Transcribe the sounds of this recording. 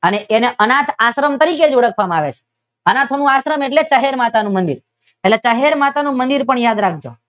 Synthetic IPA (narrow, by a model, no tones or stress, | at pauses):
əneʔeneʔənat̪ʰaʃɾəmt̪əɾiked͡ʒoɽəkʰʋamãaʋet͡ʃʰe̥ | ənat̪ʰonũaʃɾəmeʈlet͡ʃəɦeɾmat̪anũmənd̪ḭɾ | eʈlet͡ʃəɦeɾmat̪anũmənd̪iɾpəɳjad̪ɾak̚ʰd͡ʒo̰